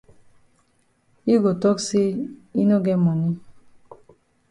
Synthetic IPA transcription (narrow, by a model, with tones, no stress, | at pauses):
i˦ɡo˨tɔ˦kse˦i˦no˦ɡɛ˦mɔ˨nĩ˦